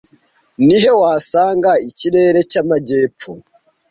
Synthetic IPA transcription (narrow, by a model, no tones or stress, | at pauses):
niɦe̞waːsaːŋɡaiciɾe̞ːɾe̞camaɟe̞ːpp͡fu